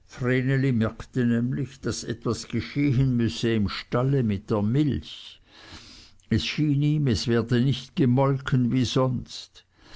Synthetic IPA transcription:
fʁeːnelimɛɐktənɛːmlɪçd̥asʔɛ̰tv̥asɡ̥əʃeːɦənmʏsəɪmʃtaləmɪt̚d̥eːɐmɪlç | ɛsʃiːniːmɛsv̥ɛːɐdənɪçtɡ̥əmɔlkʰənviːzɔnst

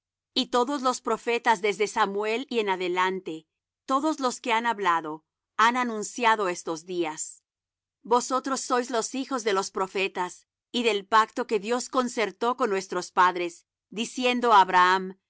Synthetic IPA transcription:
it̪o̞ðo̞zlo̞spɾo̞fe̞t̪azðe̞zðe̞samwe̞lie̞naðe̞lant̪e̞ | t̪o̞ðo̞zlo̞ske̞anaβlaðo̞ | ananũnsjaðo̞est̪o̞zðias | bo̞so̞t̪ɾosːo̞jzlo̞sixo̞zðe̞lo̞spɾo̞fe̞t̪as | iðe̞lpakt̪o̞keðjo̞sko̞nse̞ɾt̪o̞konːwe̞st̪ɾospaðɾe̞s | d̪isje̞nd̪o̞aβɾaam

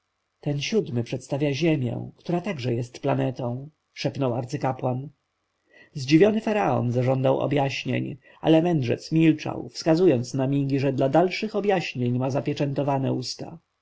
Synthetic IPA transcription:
t̪ɛnɕud̪mɘpʂɛt̪st̪avʲjaʑemʲjɛ̰w̃kt̪uɾat̪aɡʐɛjɛst̪planɛt̪ɔ̃w̃ | ʂɛpnɔwaɾt̪sɘkapwan | zd͡ʑivʲjɔnɘfaɾaɔ̰nzaʐɔnd̪awʔɔ̰bjaɕɲḛɲ | ʔa̰lɛmɛndʐɛ̰t̪smʲilt͡ʂa̰wfskazujɔnt̪snamʲiɡʲiʐɛd̪lad̪alʂɘxɔbʲjaɕɲeɲmazapʲjɛt͡ʂɛnt̪ɔvanɛ̰ust̪a̰

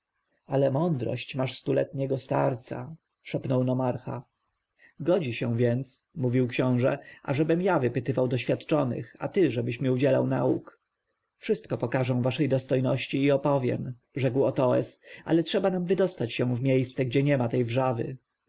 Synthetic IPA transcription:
alɛmɔnd̪ɾɔ̰ɕt͡ɕmaʂst̪ulɛ̰t̪ɲɛɡɔst̪a̰ɾt̪sa̰ | ʂɛpnɔwnɔmaɾxa̰ | ɡɔd͡ʑiɕɛw̃vʲjɛnt̪smuvʲiwkɕɔ̃w̃ʐɛ̰ʔa̰ʐɛbɘmjavɘpɘt̪ɘvawd̪ɔɕfʲjat̪t͡ʂɔnɘ̰xa̰t̪ɘʐɛbɘɕmʲiud͡ʑɛla̰wna̰ṵk | fʂɘst̪̚kɔpɔkaʐɛ̃vaʂɛjd̪ɔst̪ɔjnɔɕt͡ɕiːɔpɔvʲjɛ̰m | ʐɛkwɔt̪ɔɛ̰sʔa̰lɛtʂɛbanamvɘd̪ɔst̪at͡ɕɕɛ̃vmʲjejst̪sɛɡd͡ʑɛɲɛmat̪ɛjvʐavɘ̰

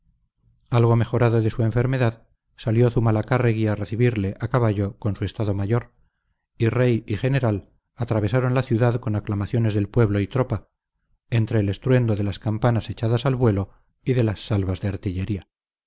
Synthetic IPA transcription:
alɣo̞me̞xo̞ɾaðo̞ðe̞sue̞ɱfe̞ɾme̞ðað | saljo̞θumalakareɣiare̞θiβiɾle̞ʔakaβaʎo̞ko̞nsue̞st̪aðo̞maʝo̞ɾ | ire̞jixe̞ne̞ɾal | at̪ɾaβ̞e̞saɾo̞nlaθjuðaðko̞naklamaθjo̞ne̞zðelpwe̞βlo̞it̪ɾo̞pa | e̞nt̪ɾe̞ːle̞st̪ɾwe̞nd̪o̞ðe̞laskampanase̞t͡ʃaðasalβwe̞lo̞ | iðe̞lasːalβazðe̞aɾt̪iʎe̞ɾia

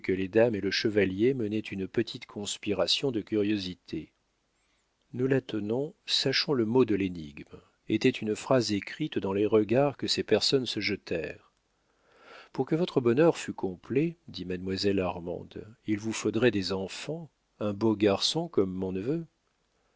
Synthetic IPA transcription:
kəled̪ameləʃəvaljemənɛt̪ʰynpət̪ʰit̪kʰɔ̃spiʁasjɔ̃d̪əkʲyʁjozit̪ʰe | nulat̪ənɔ̃saʃɔ̃ləmod̪əlenḭɡm | et̪ɛt̪ʰynfχazekχit̪d̪ɑ̃leʁəɡaʁkəsepɛʁsɔnsəʒət̪ʰɛʁ | puʁkəvɔt̪χəbɔnœʁfykʰɔ̃pled̪imad̪mwazɛlaʁmɑ̰̃d̪ilvufod̪ʁɛd̪ezɑ̃fɑ̃ | ɛ̃boɡaʁsɔ̃kɔmːɔ̃nəvø

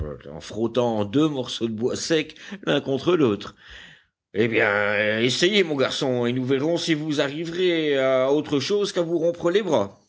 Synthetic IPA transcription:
ɑ̰̃fχot̪ɑ̃d̪ømɔʁsod̪əbwasɛklɛ̃kɔ̃t̪χəloːt̪χ | ebjɛ̃esejemɔ̃ɡaʁsɔ̃enuvɛʁɔ̃sivuzaʁivʁeaot̪χəʃozkavuʁɔ̃pχəlebʁa

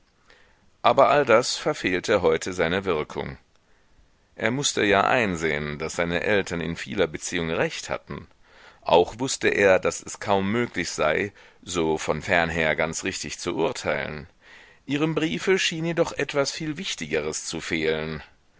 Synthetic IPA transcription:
ʔaːbɐʔaldasfɛɐfeːltʰəɦɔʏtʰəzaɪnəvɪɐkʰʊ̰ŋ | ʔeːɐmʊstəjaːʔa̰ɪnzḛːənd̥asz̥aɪnə̰ʔɛltʰɐnɪ̰nfḭːlɐbət͡siːʊŋʁɛçtha̰tn̩ | ʔa̰ʊxv̥ʊstəʔeːɐdasɛskʰaʊmːøːklɪçz̥aɪzoːfɔnfɛɐnɦeːɐɡant͡sʁɪçtɪçt͡suʔʊɐtʰaɪlə̰n | ʔiːʁəmbʁiːfəʃiːnjeːdɔχʔɛtv̥asfiːlvɪçtɪɡəʁəst͡sufeːlən

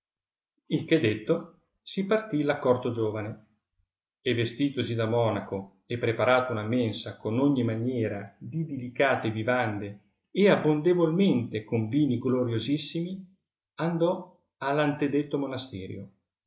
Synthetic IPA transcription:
ilkɛd̪et̪ːo | sipart̪ilakːɔrt̪od͡ʒoːvane | evːest̪iːt̪osid̪amɔːnako | epːɾepaɾaːt̪ounamensakonoɲːimanjɛːɾa̰d̪id̪ilikaːt̪evivand̪e | eabːond̪evolment̪ekoɱviːniɡloɾjozisːimi | and̪ɔ | alːant̪ed̪et̪ːomonast̪ɛːɾjo̰

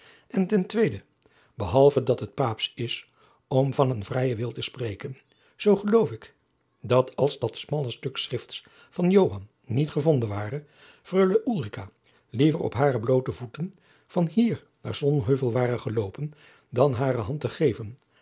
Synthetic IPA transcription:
ʔɛntɛntʋejdə | bəɦɑlˠvədɑtɦət̚paːpsɪs | ɔmvɑnənvrɛjəʋɪlˠtəsprejkən | z̥owχəlowfɪk | dɑtʰɑlˠzdɑtsmɑlˠəstɵksrɪfts | fɑnjowɦɑnː | itχəvɔndənʋaːrə | frøɥləʔulˠrikaː | livərɔ̰pɦaːrəblowtəvutən | v̥ɑnɦiːɹ | na̰ːɹz̥ɔnɦøɥvəlˠʋaːrəχəlowpən | dɑnɦaːɾəɦɑntəχejvən

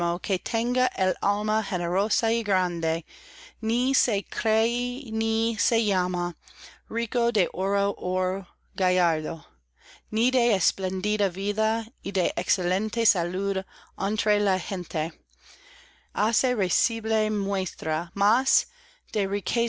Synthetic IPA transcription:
okʰet̪ʰẽŋɡaʔelalmɐxeneɾosaiɡɾand̪enisekʰɾeinisejamaɹikod̪eʔoɾoʔoɹ | ɡajaɾðo | nideːsplend̪idɐviðaideʔekselẽnt̪esaludant̪ɾelahẽnt̪ʰe | aseɾesiblemwest̪ɾamas | d̪̥eɹikʰe

